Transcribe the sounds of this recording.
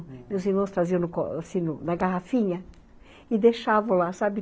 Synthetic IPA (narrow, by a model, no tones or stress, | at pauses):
mewziɾmɐ̃st̪ɾaziɐ̃w̃nʊko̰asĩnʊnɐɡaɦafĩɲɐ | ɪd̪eʃavɐ̃lasabɪ